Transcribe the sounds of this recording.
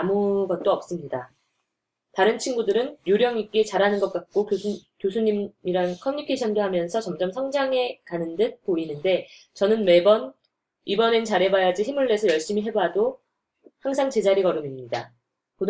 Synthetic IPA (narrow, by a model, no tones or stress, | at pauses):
amuɡʌt̚t͈oʌp̚s͈ɯmɲida | taɾɯnt͡ɕʰinɡudɯɾɯnjoɾjʌŋik͈et͡ɕaɾɦanɯnɡʌt̚k͈ak̚k͈okkjosʰuɲimiɾankʰʌmuɲikʰe̞ɕʰʌndoɦamjʌnsʰʌt͡ɕʌmd͡ʑʌmsʰʌŋd͡ʑaŋɦe̞kanɯndɯk̚p͈oinɯnde̞ | t͡ɕʌnɯnme̞bʌn | ibʌne̞nt͡ɕaɾe̞bajad͡ʑiɦimuɭːe̞sʰʌjʌɭɕ͈imiɦe̞bado | haŋs̬ʰaŋt͡ɕe̞d͡ʑaɾiɡʌɾumimɲida̰ | kod